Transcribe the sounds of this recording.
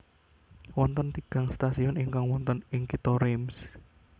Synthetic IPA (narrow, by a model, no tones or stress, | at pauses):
wɔnt̪ɔnt̪iɡ̥a̤ŋst̪asiɔniŋkaŋwɔnt̪ɔnɪŋkit̪ɔɾems